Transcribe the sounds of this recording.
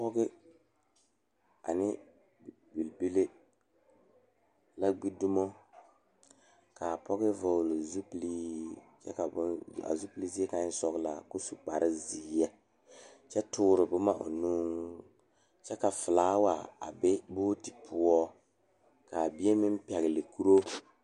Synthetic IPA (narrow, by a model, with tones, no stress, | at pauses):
pɔ˦ɣɪ˦ | a̰˨nɪ˦ | bi˨lbi˦le˦ | la˦ɡ͡bi˦du˦mo˦ | ka˨pɔ˦ɣɪ˦vɔ˨lɪ˨zu˦pli˦t͡ʃɛ˦ka˨˦a̰˨zu˦pli˦zi˦ɛ˦ka˦sɔ˦ɣla̰˨kʊ˦su˨k͡pa˨ɾɪ˦ziː˨˦jɛ˦ | t͡ʃɛ˦tʊː˦ɾɪ˨bʊ˦ma˦ʔʊ̰˨nuː˦ŋ | t͡ʃɛ˦ka˨fɪ˨laː˨˦wa˨a̰˨bɪ˦bʊ˦ti̥˨pʰʊ˦ɔ˦ | ka˨bi˦ɛ˦mɪ˦m˦pɛ˨ɣɪ˨lɪ˨ku˦ɾo˦